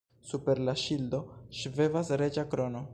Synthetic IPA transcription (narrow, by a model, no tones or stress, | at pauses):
supeɾlaʃild̪oʃvevasɾed͡ʒakɾono